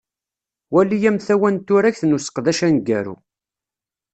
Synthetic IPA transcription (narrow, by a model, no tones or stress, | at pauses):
wælijæmθæwænt̪ːʊɾæçθnusə̥qðæʃænɡːæɾṵ